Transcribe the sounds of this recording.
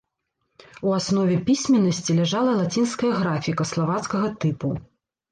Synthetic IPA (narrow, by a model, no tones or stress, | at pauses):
uasnɔvʲɛpʲisʲmʲɛnːɐsʲt͡sʲilʲɛʐalˠɐlˠat͡sʲinskɐjɐɣɾafʲikɐslˠavat̪skɐɣɐt̪ɨpu